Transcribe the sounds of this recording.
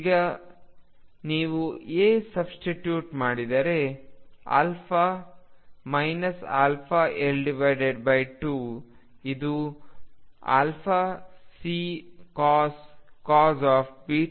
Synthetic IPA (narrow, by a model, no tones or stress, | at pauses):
iɡɐ | niːʋueːsɐbsʈiʈjuːʈmaːɽid̪ɐɾe | a̰ːlpʰa | mɐjnɐsa̰ːlpʰaːʔelɖiʋɐjɖeɖbɐjʈu | id̪u | a̰ːlpʰasiːkaːskaːzaːpbiː